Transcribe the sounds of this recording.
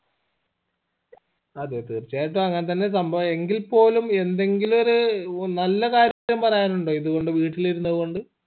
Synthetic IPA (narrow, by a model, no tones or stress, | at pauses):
ɐðɨt̪irt͡ɕːaːjiʈ̬ːoɐŋːɐnet̪̬ɐnːe̞sɐmbʱɐʋe̞ŋɡilpo̞ːlume̞nd̪e̞ŋɡilo̞ɾunɐlːɐkaːɾjjɐmpɐrɐjaːnuɳɖo̞ːiðuɣo̞ɳɖɨʋiːʈːiliɾunːɐðɨko̞ɳɖɨ